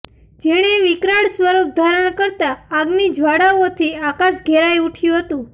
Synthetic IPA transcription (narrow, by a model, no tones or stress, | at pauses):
d͡ʒeɽ̃eʋɪkɾaɽsʋəɾup̚d̪ʱaɾəɽ̃kəɾt̪aːɡnid͡ʒʋaɽaot̪ʰiakasɡʱeɾajuʈʰjũɦət̪ũ